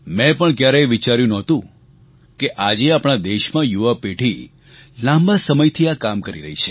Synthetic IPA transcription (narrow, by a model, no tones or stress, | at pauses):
mɛ̃pəɳkjaɾeʋit͡ʃaɾjũnɔt̪ũ | keʔad͡ʒeapɽ̃ad̪eʃmãjuʋapeʈʰi | lãmbasəməjt̪ʰiakamkəɾḭɾə̰ɦit͡ʃʰe̥